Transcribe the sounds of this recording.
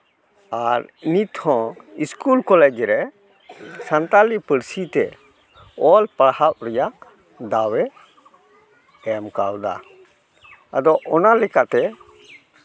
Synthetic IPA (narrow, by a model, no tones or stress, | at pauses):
aɾnit̪ʰhɔ̃iskulkɔlɛd͡ʒɾɛ | sant̪alipəɽsit̪ɛ | ɔlpaɽhaʔ̚ɾɛja | d̪awɛ | ɛmkawd̪a̰ | ad̪ɔʔɔnalɛkat̪ɛ